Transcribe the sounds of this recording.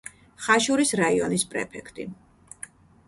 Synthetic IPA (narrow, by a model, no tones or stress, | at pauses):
χaʃuɾisɾaiɔnispʼɾɛ̰pʰɛkʰt̪ʼḭ